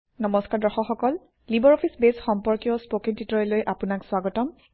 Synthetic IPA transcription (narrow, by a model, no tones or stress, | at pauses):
nɔmɔskaɹdɔxɔxɔkɔl | libɔɹɔpʰisbesxɔmpɔɹkijɔspokintitɔɹɛlojʔapʊnakswaɡɔtɔm